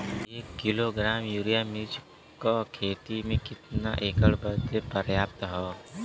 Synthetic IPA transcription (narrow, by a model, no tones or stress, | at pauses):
eːkːɪloɡɾaːmjuːɾijamid͡ʒ | kokʰeːt̪imẽkɪt̪na̰ʔeːkəɽbəd̪epəɾjaːp̚t̪ɦɔː